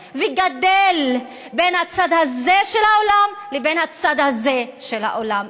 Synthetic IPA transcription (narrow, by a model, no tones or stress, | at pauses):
vɛɡad̪el | benhat͡sad̪hazeʃelhaolamlebenhat͡sad̪hazeʃelha̰ʔolam